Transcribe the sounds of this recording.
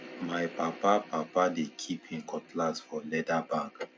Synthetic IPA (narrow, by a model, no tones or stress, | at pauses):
majpapapapadekʰiphĩnkʰɔtlasfɔlɛdabãŋk